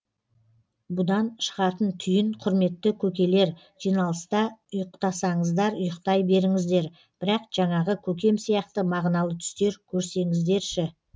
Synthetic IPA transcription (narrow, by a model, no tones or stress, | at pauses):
bʊd̪ɑnʃə̥ʁɑt̪ənt̪ʰʏjɪnqʰʊɾme̞t̪ːɪkʲʰɵkʲe̞le̞ɾ | ʒ̥ijnɑlˠəst̪ɑʊjəqt̪ɑsɑɴəzd̪ɑɾʊjəqt̪ɑjbe̞ɾɪŋɪzd̪e̞ɾ | b̥ɪɾɑqʒ̥ɑɴɑʁəkʲʰɵk̬ʲe̞msijɑq̚t̪əmɑʁnɑlˠət̪ʰʏ̥st̪e̞ɾkʲʰɵɾse̞ŋɪzd̪e̞ɾʃɪ